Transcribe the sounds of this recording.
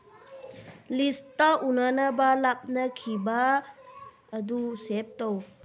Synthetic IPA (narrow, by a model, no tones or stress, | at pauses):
listaʔunanabalap̚nakʰiba | dusep̚tɔw